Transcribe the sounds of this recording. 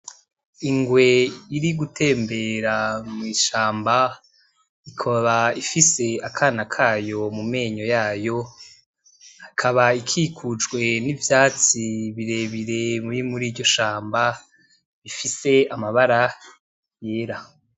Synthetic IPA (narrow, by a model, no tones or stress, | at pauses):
iŋɡwe̞iɾiɡutʰe̞ːmbe̞ɾamŋiːʃaːmba | ikʰaβaifise̞akʰaːnakʰaːjo̞mume̞ːɲo̞jaːjo̞ | hakʰaβaikʰiːkʰud͡ʒɡwe̞nivjaːt͡siβiɾe̞βiɾe̞mimuɾiːɾɟo̞ʃaːmba | βifise̞amaβaɾa | jeːɾa